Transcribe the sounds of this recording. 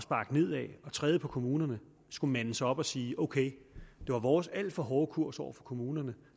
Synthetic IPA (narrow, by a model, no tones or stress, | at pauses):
ɒsb̥ɑ̈ːɡ̥ne̝ð̞̰ˠɛɒ̽t͡sʰʁɛːð̞ˠəpʰɒ̽kʰo̝muːnɐnə | sɡ̥umænəsɒ̽b̥ɒ̽siːʔoʊkʰeɪ | d̥e̝ʋɑ̈ʋɒːsæl̰d̥fɒ̽ɦɒːkʰuɐ̰sɒʊ̰ɐfɒ̽kʰo̝muːnɐnə